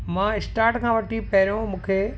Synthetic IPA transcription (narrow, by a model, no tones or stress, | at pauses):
mãːɪsʈaːɾʈkʰãːʋɐʈʰipɐɦɪɾjõmũːkʰe